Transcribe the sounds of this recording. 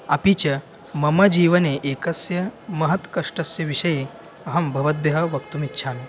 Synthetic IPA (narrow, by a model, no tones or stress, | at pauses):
ɐpit͡ɕɐ | mɐmɐd͡ʑiːʋɐneʔekɐsjɐmɐɦɐt̪kɐʂʈɐsjɐʋiʂɐje | ɐɦɐmbʱɐʋɐd̪̚bjɐɦɐʋɐkt̪uːmitːɕʰami